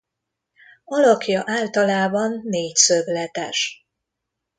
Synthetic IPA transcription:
ɒlɒkjɒʔaːlt̪ɒlaːbɒnːeːcsøblɛt̪ɛ̰ʃ

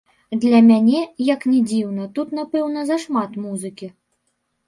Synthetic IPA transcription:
d̪lʲɐmʲanʲɛjɐknʲɛd͡zʲiwnɐt̪ut̪napɛwnɐzɐʂmat̪muzɨkʲi

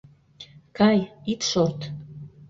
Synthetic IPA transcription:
kʰajit̪ʰʃort̪ʰ

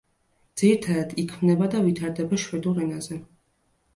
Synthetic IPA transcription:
d̪z̥iɾit̪ʰaɾad̪̥ikʰmnɛbad̪avit̪ʰaɾd̪ɛbaʃwɛd̪uɾɛnazɛ

